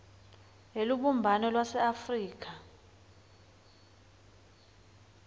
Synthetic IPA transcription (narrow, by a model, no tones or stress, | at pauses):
eluɓumbʱanɔlwasɛafriːk̬a